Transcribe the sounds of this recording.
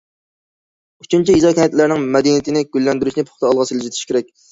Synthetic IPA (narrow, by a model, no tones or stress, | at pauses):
yt͡ʃʰynt͡ʃʰiizɑkʲʰɛnɛt̪læɾnɪŋmɛd̪inɪt̪ʰɪnɪɡʲylːɛnd̪yɾyʃnɪpʰʊ̥χt̪ʰɑɑlˠʁɑsɨld͡ʒet̪ʰɪ̥ʃkʲeɾɛk̚ʲ